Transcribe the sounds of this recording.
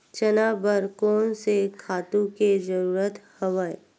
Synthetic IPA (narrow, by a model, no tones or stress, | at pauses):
t͡ʃənaːbəɾkɔːnsekʰaːt̪ũked͡ʒəɾuːɾət̪hɐʋəj